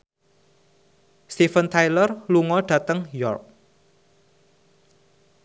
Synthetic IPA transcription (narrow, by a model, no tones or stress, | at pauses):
st̪ifənt̪ʰajlərluŋɔɖ̥ä̤t̪əŋjɔ̰rk̚